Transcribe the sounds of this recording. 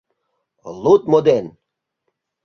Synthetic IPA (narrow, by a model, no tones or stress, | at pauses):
lˠut̪̚mod̪en